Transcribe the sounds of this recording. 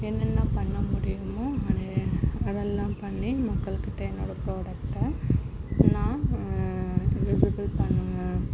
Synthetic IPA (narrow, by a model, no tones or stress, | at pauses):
ɛnːɛnːɐpɐɳːɐmʊɽɪjɯmõːɐnɐɐðɛlːãːpɐɳːimɐkːɐɭɯkːɯʈːɐnoːɽɐpɾoːɽɐkʈːɐ | nãː | ʋɪsɪbɪlpɐɳːɯŋɡɐ